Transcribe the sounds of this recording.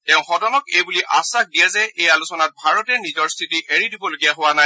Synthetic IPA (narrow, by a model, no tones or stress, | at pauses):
tɛʊ̃xɔdɔnɔkejbuliʔasax̚dijazɛʔejalusɔnat̚bʱaɹɔtɛnizɔɹstʰitiʔeɹidibɔloɡijaɦowanaj